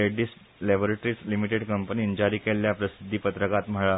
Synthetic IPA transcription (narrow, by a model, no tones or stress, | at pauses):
eɖiːs | lɛboɾeʈɾiːslimiʈeɖkəmpəniːnd͡ʑaɾikeljapɾəsid̪ʱːiːpət̪ɾəkat̪m̤əɭa